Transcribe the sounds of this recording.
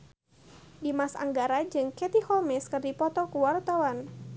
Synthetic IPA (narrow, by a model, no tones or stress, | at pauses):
dimasa̰ŋɡaɾad͡ʒɨŋkɛt̪ihɔmɛskɨrdipɔt̪ɔkuwart̪awan